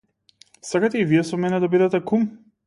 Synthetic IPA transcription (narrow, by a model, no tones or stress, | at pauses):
sakat̪ɛiviɛsɔmɛnɛd̪abid̪ɛt̪ɛkum